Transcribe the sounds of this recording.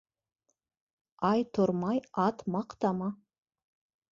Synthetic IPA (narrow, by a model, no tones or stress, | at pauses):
ɑjt̪ʰʊɾmɑjɑt̪mɑqt̪ɑmɑ